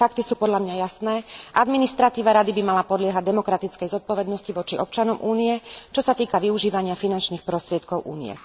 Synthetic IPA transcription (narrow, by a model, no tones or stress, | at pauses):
fak̚t̪isuːpɔd̪lʎamɲajasnɛːʔad̪minist̪ɾat̪iːʋaɾad̪ibimalapɔd̪lɪɛɦaɟd̪ɛmɔkɾat̪it͡skɛjzɔt̪̚pɔʋɛd̪nɔsciʋɔt͡ʃiɔp̚t͡ʃanɔmʔuːniɛt͡ʃɔsat̪iːkaʋiuʒiːʋaɲɪafinant͡ʃniːxpɾɔst̪ɾɪɛt̪kɔʊʔṵːnḭɛ̰